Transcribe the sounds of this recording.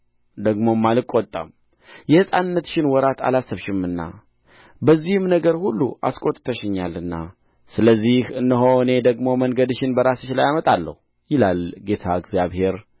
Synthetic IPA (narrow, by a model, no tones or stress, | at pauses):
d̪əɡmo̞mːalɨkʼot̪ʼə̰m | jɛhɨsʼanɨnːət̪ʃɪnwɔɾat̪ʰa̰lasːɨβʃɪmɨnːa̰ | bəzːihɨmnəɡəɾhulːṵʔa̰skʼo̞t̪ʼt̪ʰəʃɪɲːalːɨnːa̰ | sɨləzːihɨnːəɦo̞ɨne̞d̪əɡmo̞məŋɡəd̪ʃɪnbəɾasɨt͡ʃlajamət̪ʼalːə̰hu | jɪlalɡe̞t̪ʰaɨɡzjaβhe̞ɾ